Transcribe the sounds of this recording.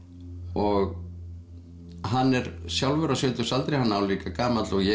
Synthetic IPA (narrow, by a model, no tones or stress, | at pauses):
ɔɣ | ɦanːɛɾsjawlvɛɾasʏːt̪ʏsalt̪ɾejhanːaːwliːkakaːmat̪lɔɣjɛ